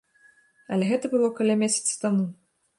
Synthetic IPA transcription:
ɐlʲɛɣɛt̪ɐbɨlˠɔkɐlʲamʲesʲɐ̥t̪sɨ̥t̪amu

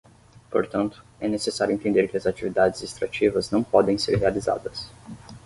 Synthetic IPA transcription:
po̰ɾt̪ɐ̃nt̪ʊ̥ɛnesesaɾjʊẽt̪ẽnd̪eɾkɪɐzat͡ʃivid̪ad͡ʒɪzest̪ɾat͡ʃivɐznɐ̃w̃pɔd̪ẽj̃seɾɦealiza̰d̪ɐs

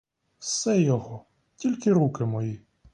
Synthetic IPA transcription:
wsɛjɔɦɔ | tʲilʲkɪɾukɪmɔji

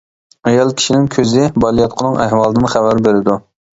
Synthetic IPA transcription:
ɛjɑlˠkʲʰi̥ʃinɪŋkʲʰøzɪbɑlˠijɑt̪̚qʰənɨŋæɦwɑlˠd̪ɨnɨχævæɾbeɾɪd̪u

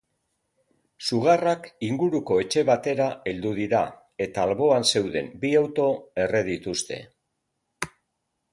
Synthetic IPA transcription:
suɣ̞arakiŋɡuɾuko̞e̞t͡ʃe̞βat̪e̞ɾae̞ld̪uð̞iɾa̰ | e̞t̪aːlβo̞anse̞wðe̞̰mbiawt̪o̞e̞re̞ðit̪ust̪e̞̰

